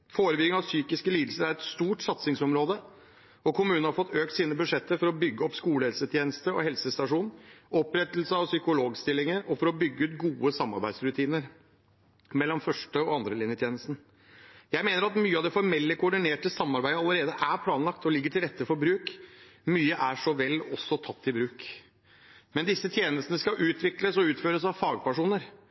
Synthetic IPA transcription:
foːɾəbʏɡɪŋɑʋsyːkɪskəliːd̪l̩səɾæɾɛt̪st̪uːʈsɑt̪sɪŋsɔmɾoːd̪ə | ɔkʰʊmʉːnən̩hɑɾfɔt̪ʰːøːkt̪siːnəbʉʂɛt̪ːəfɔɾɔbʏɡːəɔpskuːləhɛlsət̪ʰjeːnəst̪əɔ̰hɛlsəst̪ɑʂuːnɔpɾɛt̪lsəɔsʏkʊloːɡst̪ɪlːɪŋəɾɔfɔɾɔbʏɡːəʉːt̪ɡuːəsɑmːɑ̰ɾbæ̰ɪd̪sɾʉt̪ʰiːnəɾ | mɛlːɔmfœʂʈəɔɑnd̪ɾəlɪnjət̪ʰjeːnəst̪n̩ | jæɪmeːnəɾɑt̪myːəɑʋd̪ɛfɔɾmɛlːəkʰʊɔɖɪneːʈəsɑmːɑɾbæɪəɑləɾeːd̪əʔæɾpʰlɑːnlɑkt̪ʰɔlɪɡːəʈʰɪlɾɛt̪ːəfɔɾbɾʉːkmyːəʔæʂɔʋɛlːɔsːɔt̪ʰɑt̪ːɪbɾʉːk | mɛnd̪ɪsːət̪ʰjeːnəst̪ənəskɑʔʉːt̪ʰʋɪkləsɔʉːt̪føːɾəsɑʋfɑːɡpæʂuːnəɾ

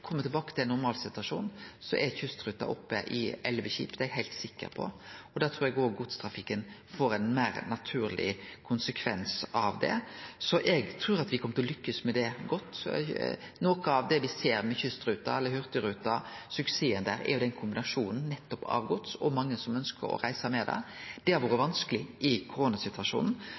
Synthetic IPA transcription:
kʰɔmːət̪ɪlbɑːkət̪ʰɪlɛnːʊɾmɑːlsɪt̪ʉɑʂuːnsɔʔɛçʉst̪ɾʉːt̪ːɑ̰ʔɔ̰pːə̰ʔɪ̰ɛlʋəçḭːpd̪ɛɛɡhæɪlt̪sɪkːə̰ɾpʰɔ̰ɔd̪ɛt̪ʰɾːɾɛɡoːɾɡʊt̪st̪ʰɾɑfɪkːənfoːɾɛnmæɪɾnɑt̪ʰʉːɾlɪ̰kʰʊnsəkʰʋɛnsɑʋd̪ɛ̰sɔʔɛɡt̪ʰɾuːɾɑt̪ʋɪkʰɔmːət̪ʰɔlʏkːəsmɛd̪ɛɡɔt̪ː | noːkəɑʋd̪ɛʋɪseːɾmɛçʏst̪ɾʉːt̪ɑɛlːəɾhʉʁt̪əɾʉːt̪ɑsʉkseːənd̪æ̰ːɾæ̰ɾjʊd̪ɛnkʰʊmbɪnɑʂuːnn̩nːɛt̪ːɔpɑ̰ːʋɡʊt̪sɔmɑŋːəsɔmœnskə̰ɾɔ̰ɾæɪsəmɛd̪ɛ̰d̪̥ɛhɑɾʋoːɾəʋɑnskəlɪʔɪkʰʊɾoːnɑsɪt̪ʉɑʂṵːnn̩

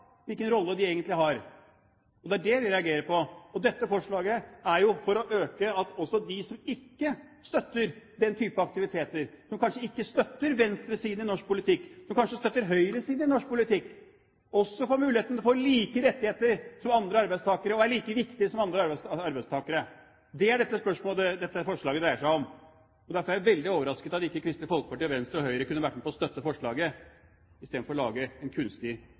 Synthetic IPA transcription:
ʋɪlkənɾɔlːəd̪ɪeːɡənt̪lɪɦɑɾ | ɔd̪ɛæɖɛʋɪɾɛɑɡeːɾəpʰɔɔd̪ɛt̪ːəfɔʂɭɑːɡəæɾjʊfɔɾɔʔøːkəɑt̪ɔsɔd̪ɪsɔmɪkːə | st̪œt̪ːəɾd̪ɛnt̪ʰyːpəɑk̚t̪ɪʋɪt̪ʰeːt̪əɾsɔmkʰɑnʂəɪkːəst̪œt̪ːəɾʋɛnst̪ɾəsiːd̪ɪnɔʂk̚pʰʊlɪt̪ʰɪkːsɔmkʰɑnʂəst̪œt̪ːəɾɦœʏɾəsiːd̪ɪnɔʂk̚pʰʊlɪt̪ɪkː | ɔsːɔfoːɾmʉːlɪheːt̪nd̪foːɾliːkəɾɛt̪ːɪheːt̪əɾsɔmɑnd̪ɾəɑɾbæɪst̪ɑːkəɾəɔæɭiːkəʋɪkt̪ɪəsɔmɑnd̪ɾəɑɾɑɾbæɪst̪ʰɑːkəɾə | d̪ɛæɖɛt̪ːəspœʂmoːld̪ɛd̪ɛt̪ːəfɔʂɭɑːɡəd̪ɾæɪəʂæɪɔm | ɔd̪æɾfɔjæʋɛld̪ɪoːʋəɾɑskət̪ɑt̪ɪkːəkʰɾɪst̪əfɔlkəpɑʈiːʋɛnst̪ɾɔhœʏəɾəkʉnːəʋæʈːmepʰɔst̪œt̪ːəfɔʂɭɑːɡə | ɪst̪eːd̪̩fɔɾɔlɑːɡəɛnkʰʉnst̪ɪ

